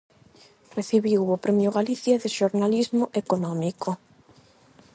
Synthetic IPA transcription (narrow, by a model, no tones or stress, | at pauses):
reθiβiwopɾemjoɣaliθjaðɪʃoɾnalizmoʔekonɔmiko